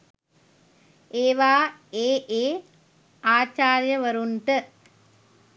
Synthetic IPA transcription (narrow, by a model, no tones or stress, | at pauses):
eːʋaːeːʔeː | aːt͡ʃaːɾjɐʋɐɾuɳʈɨ